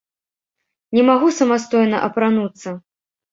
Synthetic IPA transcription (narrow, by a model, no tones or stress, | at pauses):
nʲɛmaɣusɐmast̪ɔjnɐ̰ʔɐpɾanut̪sːɐ